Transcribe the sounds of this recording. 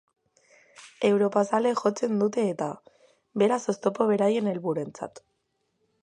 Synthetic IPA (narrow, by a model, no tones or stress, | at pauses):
e̞wɾo̞pasale̞ʝo̞t͡se̞nd̪ut̪e̞ːt̪a | βe̞ɾaso̞st̪o̞po̞βe̞ɾaje̞ne̞lβuɾe̞nt͡sa̰t̪